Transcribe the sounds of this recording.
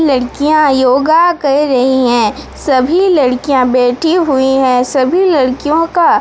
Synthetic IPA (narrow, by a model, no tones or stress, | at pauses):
lɐɽkijãjoːɡakɐɾɐɦiɦɛ̃ː | sɐbʱilɐɽkijãbɛːʈʰiɦʊiɦɛ̃sɐbʱilɐɽkijõka